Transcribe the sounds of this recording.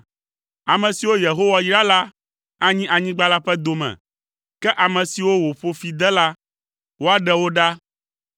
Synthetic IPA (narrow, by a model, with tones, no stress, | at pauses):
a˨mɛ̃˨si˨wo˦je˨ɦo˦wa˨jɾa˦la˦ | ã˦ɲĩ˦ʔa˨ɲĩ˦ɡ͡ba˦la˦ɸɛ˦d̪o˨mɛ̰̃˨ | kɛ˦ʔa˨mɛ̃˨si˨wo˦wo˨ɸo˦fi˨d̪ɛ˦la˦ | wo˦a˨ɖɛ˦wo˦ɖa˦